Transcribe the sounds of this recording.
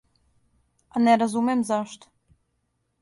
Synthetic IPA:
anɛɾazumemzaʃt̪

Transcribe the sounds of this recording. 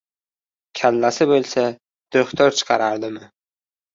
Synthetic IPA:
kʲʰalːasɪbolˠsa | d̪̥ɵχt̪ʰɒɾt͡ʃʰɨ̥qʰɑɾaɾd̪ɪmɪ

